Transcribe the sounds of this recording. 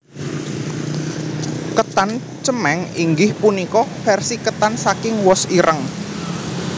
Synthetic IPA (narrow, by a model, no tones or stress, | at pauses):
kət̪an | t͡ʃəmɛŋiŋɡɪhpunikɔfɛrsikət̪ansakɪŋwɔsiɾʔəŋ